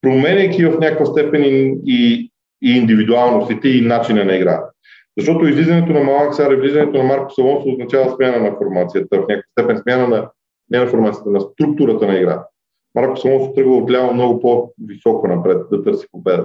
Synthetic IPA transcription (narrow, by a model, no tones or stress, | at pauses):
pɾomɛnɛkʲivɐfnʲakəkfəst̪ɛpɛniiː | nd̪ivid̪ualˠnost̪it̪ɛinat͡ʃinənɐiɡɾa̰ | zɐʃt̪ɔt̪oizlizɐnɛt̪onɐmɐlˠaksaɾɛvlizɐnɛt̪onɐmaɾko̥sɐlˠɔnsoznɐt͡ʃavəsmʲjanənɐfoɾmat̪sijət̪əvɐfnʲakəkəst̪ɛpɛnsmjanənɐ | nɛnɐfoɾmat̪sijət̪ənɐst̪ɾuk̚t̪uɾət̪ənɐiɡɾa̰ | maɾko̥sɐlˠɔnso̥t̪ɾɤɡəlˠoɡ̪lʲamomnɔɡopovisɔkonɐpɾɛt̪̚d̪ɐt̪ɤɾsi̥kopɛd̪ə